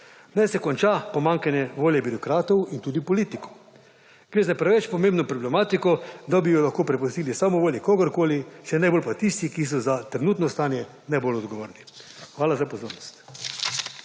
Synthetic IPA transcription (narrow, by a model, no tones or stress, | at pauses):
nɛsɛkɔnt͡ʃapɔmaŋkanjɛʋoːljɛbiɾɔkɾaːt̪ɔwint̪uːd̪ipɔliːt̪ikɔ | ɡ̥ɾeːzapɾɛʋɛt͡ʃpɔmẽmbnɔpɾɔblɛmaːt̪ikɔd̪abijɔlaxkoːpɾɛpust̪iːlisamɔʋoːljikoɡəɾkoːliʃɛnajbolpat̪ist̪ikis̬ɔzat̪ɾɛnuːt̪nɔst̪aːnjɛ | nabolɔd̪ɡɔʋo̰ːɾni | xʋaːlazapɔzoːɾnɔst̪